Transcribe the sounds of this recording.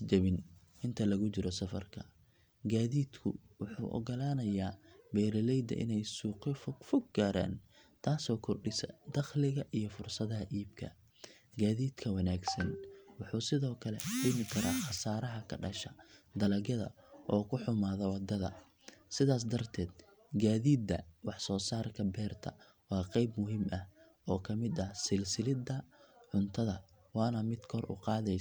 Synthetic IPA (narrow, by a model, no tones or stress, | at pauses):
d͡ʒɐβɪn | ɪnt̪ʰɐlɐɣʊt͡ʃɪɾɔsɐfɐ̰rkʰɐ̰ | ɡaːðiːd̪kʰʊ̰wʊħṵːʔɔ̰ɡɔlaːnɐjaːbɛːɾɐlɛjd̪ɐ̰ʔɪ̰nɛjsuːqɪffʊɡ̚ɡaːɾa̰ːn | t̪ʰaːsɔːkʰɔrɖɪsɐd̪ɐχlɪɣɐʔijɞfʊrsɐðɐɦɐʔiːb̚kʰɐ̰ | ɡaːðiːd̪kʰɐwɑnaːɡsɐnwʊħuːsɪðɔːkʰɐlɛħɪmɪkʰɐɾaːχɑsaːɾɐɦɐkʰɐɖɐʃɐd̪ɐlɐɣɐðɐ̰ | ʔɔːkʰʊħʊmaːðɐwɑd̪ːɐðɐ̰ | sɪðaːs̬d̪ɐrt̪ʰɛːd̪ | ɡaːðiːd̪ːɐwɑħsɔːsaːrkʰɐbɛːrt̪ʰɐ̰ | wɑːqɛjbmʊɦiːmʔɐh | ɔːkʰɐmɪd̪ɐhsɪlsɪlɪd̪ɐʕʊnt̪ʰɐðɐ | wɑːnɐmɪd̪kʰɔrʊ̰qɑːðɛj